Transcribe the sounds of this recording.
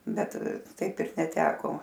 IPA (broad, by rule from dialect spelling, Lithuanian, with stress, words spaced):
ˈbʲɛt ˈtɐɪp ɪr nʲɛˈtʲæːkoː